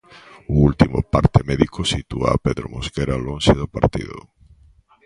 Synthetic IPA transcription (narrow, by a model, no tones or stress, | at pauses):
ʊult̪imʊ̰paɾt̪emɛðikʰosit̪ua̰peðɾomoskeɾalonseðʊpaɾt̪ḭðo̰